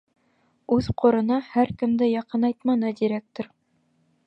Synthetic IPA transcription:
ʉðqŏɾɤ̆nɑhæɾkɘ̆md̪ɘjɑqɤnɑjt̪mɑnɤd̪iɾek̚t̪oɾ

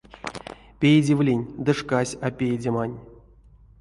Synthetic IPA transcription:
pʲejd͡zʲivlʲenʲd̪ɨʂkasʲapʲejdʲemanʲ

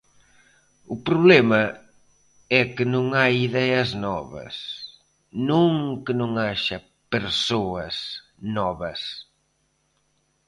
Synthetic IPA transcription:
ʊpɾuβlɛmɐ | ɛkɪnõŋajiðɛɐznɔβɐ̰s | nõŋkənõŋaʃɐ | peɾsoɐs | nɔβɐs

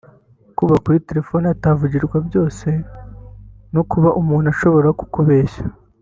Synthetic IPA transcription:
kuβakuɾite̞ɾe̞fo̞ːniataːvuɟiɾɡwabjo̞ːse̞ | nokuβaʔumuːn̥aʃo̞βo̞ɾaku̥koβe̞ːʃa

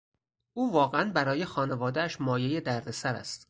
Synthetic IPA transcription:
ʔuːvɒːɣeænbæɾɒːje̞xɒːne̞vɒːd̪eæʃmɒːje̞je̞d̪æɾd̪e̞sæɾæ̰st̪

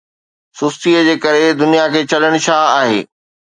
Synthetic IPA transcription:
sʊst̪iːəd͡ʑeːkɐɾed̪ʊnijakʰeːt͡ɕɐləɽ̃ʊʃʰaaːɦḛː

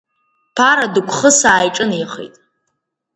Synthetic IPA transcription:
pʰaɾadɨkʷʰχəsaːjʈ͡ʂʼɨniχḛtʼ

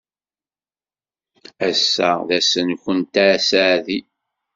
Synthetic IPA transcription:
æsːæðæsənçənt̪asaʕði

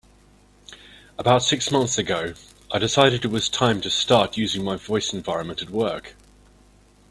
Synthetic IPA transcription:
əbaʊtsɪksmʌ̃nθsəɡəʊ | aɪdɪsaɪɾɪdɪʔ̚wɒz̥tʰãɪ̃mtʰəstɑˑʔjʉːzɪ̃ŋmaɪvɔɪsɪ̃ɱvaɪɹə̃nmə̃ntətwɜˑk

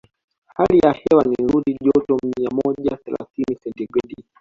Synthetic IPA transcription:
halijahɛwaniɾuɗiʄɔtɔmiamɔʄaθɛla̰θinisɛntɛɡɛɗi

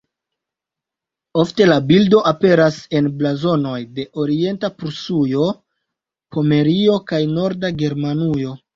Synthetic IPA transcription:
o̞fte̞labildo̞ʔape̞ɾase̞nblazo̞no̞jde̞ʔo̞ɾie̞ntapɾusujo̞ | pʰo̞me̞ɾio̞kajno̞ɾdaɡe̞ɾmanujo̞

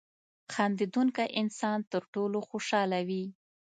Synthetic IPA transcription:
xɑnd̪id̪uŋkaʔɪnsɑnt̪əɾʈoloxoʃɑlawi

